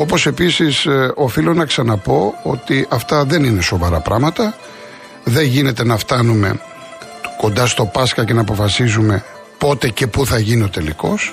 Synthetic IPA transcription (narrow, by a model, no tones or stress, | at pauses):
o̞po̞se̞pisiso̞filonɐksɐnɐpo̞o̞t̪iʔɐft̪ɐðe̞nine̞so̞vɐɾɐpɾʔɐ̰mɐt̪ɐ | ðe̞ʝine̞t̪e̞nɐft̪ɐnume̞̰ | ko̞nd̪ɐst̪o̞pɐskɐce̞nɐːpo̞fɐsizume̞ | po̞t̪e̞ce̞puθɐʝinio̞t̪e̞lḭko̞̰s